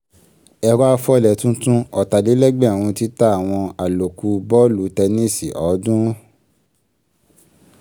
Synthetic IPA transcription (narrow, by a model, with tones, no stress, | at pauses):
ɛ˧˨ɾa˦˧˦fɔ˦˨lɛ˨tũ˦tũ˦ɔ˨ta˨li˨˦lɛ˦ɡ͡bɛ˦˨wũ˧ti˦ta˦a˨w̃ɔ̃˧a˨lo˨ku˧˦bɔ˦lu˨tɛ˧nĩ˦si˨ʔɔ˨˦dũ˦